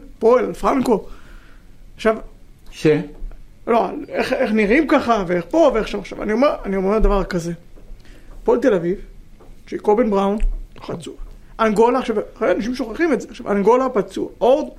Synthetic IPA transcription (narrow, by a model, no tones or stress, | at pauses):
poelalfʁaŋko̞ | aχʃav | ʃeloaleχeχniʁimkaχaveeχpo̞veaχʃavaχʃava̰nio̞meʁanio̞memed̪avaʁkaze̞ | poelt̪elaviv | ʃeikobenbʁawnχat͡sua | ʔanɡo̞laχʃavχelanaʃ̬imʃo̞χaχimetzeaʃavanɡo̞lapat͡suaʔoʁd̪